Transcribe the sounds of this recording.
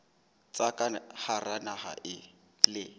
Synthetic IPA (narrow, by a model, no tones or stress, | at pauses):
t͡sakʼaharanaha̰ʔɪ | lɪ